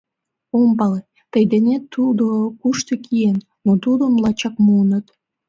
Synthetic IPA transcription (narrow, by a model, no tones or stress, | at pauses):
ompɑle | t̪əjd̪enet̪ːud̪okuʃt̪ekʰienːot̪ud̪omlɑt͡ɕɑkmunət̪